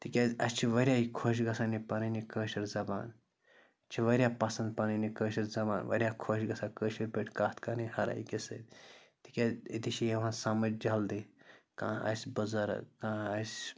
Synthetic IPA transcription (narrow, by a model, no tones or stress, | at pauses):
t̪ikʲaɐst͡ʃʰiʋɐɾʲjaːikʰoʃ̬ɡɐsaːnipɐnɐnikəːʃiɾzɐba̰ːn | t͡ʃʰiʋɐɾʲjapɐsɐnd̪̚pɐnɐnikəːʃiɾzɐba̰ːnʋɐ̰ɾʲjaːkʰoʃɡɐsaːkəːʃiɾbeʈʰkaːt̪kanihɐɾa̰ikesɐ̰d̪t̪i̥kʲait̪iʃʰijeʋɦãsɐmɐd͡ʒd͡ʒɐld̪ikãːɐ̰sʲbɐzɐɾɐ̰kãːɐs